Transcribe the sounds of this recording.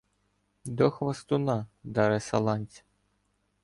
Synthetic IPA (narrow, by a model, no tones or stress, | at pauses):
d̪ɔxʋɐst̪ʊnɑd̪ɑɾɛsɐlˠɑnʲt͡sʲ